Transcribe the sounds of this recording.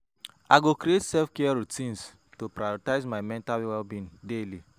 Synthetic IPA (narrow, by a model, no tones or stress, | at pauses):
aɡokɾietsɛlfkeaɹutĩns | topɾajɔtaɪzmaɪmɛ̃ntalwɛlbĩndeli